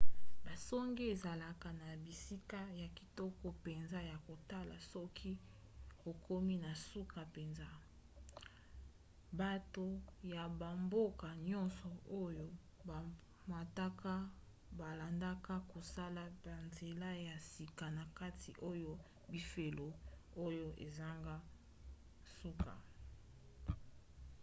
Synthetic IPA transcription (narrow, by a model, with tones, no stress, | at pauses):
ba˨sɔ˦ŋɡe˦e˨za˨la˨ka˨na˨bi˨si˦ka˦ja˨ki̥˨tɔ˦kɔ˦pe˨nza˦ja˨ko˨ta˦la̰˨sɔ˦kʰi˦ | ko˨ko˦mi˦na˨su˦ka˨pe˨nza˦ | ba˨to˨ja˨ba˨mbo˦ka˨ɲɔ̃˦nsɔ˨o˦jo˦ | ba˨ | ma˨ta˦ka˦ | ba˨la˨nda˦ka˦ko˨sa˦la˦ba˨nze˨la˦ja˨si˨ka˨na˨ka˦tʰi˨ʔo˦jo˦ | bi˨fe˨lo˨o˦jo˦ʔḛ˨za˦ŋɡa˦ | su˦ka̰˨